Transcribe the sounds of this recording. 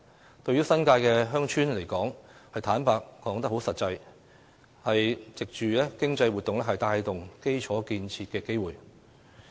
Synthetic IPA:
t̪ɵ˧ɥyː˥sɐ˥nkaː˧jkɛː˧ɦœː˥ŋt͡ʃʰyː˥nle˨˩jkɔː˨˥ŋhɐ˨jt̪ʰaː˨˥npaː˧kːɔː˨˥ŋt̪ɐ˥k̚ho˨˥wsɐ˨t̚t͡sɐ˧j | hɐ˨jt͡sɪ˨k̚t͡ʃyː˨lɛː˥kɪ˥ŋt͡sɐ˧jwuː˨t̪̚ːʊ˨ŋlɛː˥ɦɐ˨jt̪aː˧jt̪ʊ˨ŋke˥jt͡ʃʰɔː˨˥kiː˧nt͡sʰiː˧t̚kɛː˧ke˥jwuː˨j

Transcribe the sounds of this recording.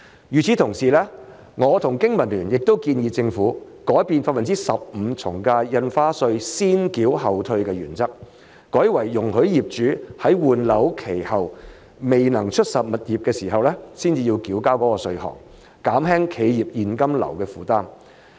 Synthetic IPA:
jyː˨t͡sʰiː˨˥t̪ʰʊ˨˩ŋsiː˨lɛː˥ | ŋɔː˨˧t̪ʰʊ˨˩ŋkɪ˥ŋmɐ˨˩nlyː˨˩njɪ˨k̚t̪o˥wkiː˧njiː˧t͡sɪ˧ŋfuː˨˥ | kɔː˨˥jpiː˧nfaː˥t̚fɐ˨nt͡siː˥sɐ˨p̚m̩˨˧t͡sʰʊ˨˩ŋkaː˧jɐ˧nfaː˥sɵ˧ɥsiː˥nkiː˨˥wɦɐ˨wt̪ʰɵ˧ɥkɛː˧jyː˨˩nt͡sɐ˥k̚ | kɔː˨˥jwɐ˨˩jːʊ˨˩ŋhɵ˨˥ɥjiː˨p̚t͡ʃyː˨˥hɐ˨˥jwuː˨nlɐ˨˥wkʰe˨˩jhɐ˨w | me˨jnɐ˨˩ŋt͡ʃʰɵ˥t̚sɐ˨p̚mɐ˨t̚jiː˨p̚kɛː˧siː˨˩ɦɐ˨wlɛː˥siː˥nt͡siː˧jiː˧wkiː˨˥wkaː˥wkɔː˨˥kɔː˧sɵ˧ɥhɔ̰˨˩ŋ | kaː˨˥mɦɛː˥ŋkʰe˨˧jjiː˨p̚jiː˨nkɐ˥mlɐ̰˨˩wkɛː˧fuː˨˥t̪aː˥m

